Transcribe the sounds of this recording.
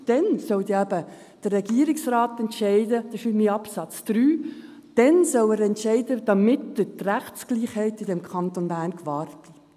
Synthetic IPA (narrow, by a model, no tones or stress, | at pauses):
d̥ɛnsɔld̪iæbə | d̥ərrɛɡiːəɾɪksrɑːt̪ɛntʃɛɪdəd̥əʃymiɑpsɑt͡sd̥̪ɾyː | d̥ɛnsɔwəɾɛntʃɛɪdəd̥ɑmɪtd̥ətræχt͡sɡ̥liːχhɛɪtɪdɛmkʰχɑntonbæːrnkvɑːɾti̥